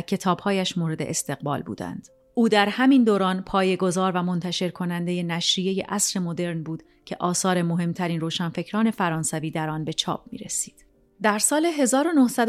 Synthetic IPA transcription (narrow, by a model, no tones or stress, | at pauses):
cʰe̞t̪ʰɒːb̥hɒːjæʃmoːɾe̞d̪e̞ʔest̪e̞ɣbɒ̰ːlbṵːd̪æ̰nd̪̥ | ʔuːd̪æɾhæmind̪oːɾɒːnpʰɒːje̞ɡo̞zɒːɾvæmo̞nt̪ʰæʃe̞ɾkʰo̞nænd̪eje̞næʃɾije̞je̞̰ʔæsɾe̞mo̞d̪e̞ɾnbuːd̪̥ | cʰe̞ʔɒːsɒːɾe̞moɦe̞mt̪ʰæɾiːnroːʃænfe̞cʰɾɒːnefæɾɒːnsæviːd̪æɾɒnbe̞t͡ʃʰɒ̰ːp̚mḭːɾesiːd̪̥ | d̪æɾsɒːle̞ɦe̞zɒːɾo̞nohsæd̪